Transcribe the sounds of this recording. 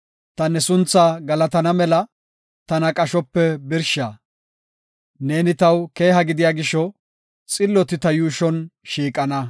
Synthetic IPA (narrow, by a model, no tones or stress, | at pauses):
t̪ɐnɛsʊnt͡sːaːɡɐlɐt̪ɐnɐmɛlɐ | t̪ɐnɐkʼɐʃɔpːɛbɪɾʃaː | ne̞ːnɪt̪ɐwke̞ːɦɐɡɪd̪ɪjaːɡɪʃɔ | t͡sʼɪlːɔt̪ɪt̪ɐjuːʃɔnʃiːkʼɐnɐ